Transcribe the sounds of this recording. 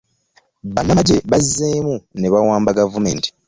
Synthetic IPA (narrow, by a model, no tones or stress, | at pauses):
βanːaɟe̞βazːeːmuneβawaːmbaɡavume̞̰nti̥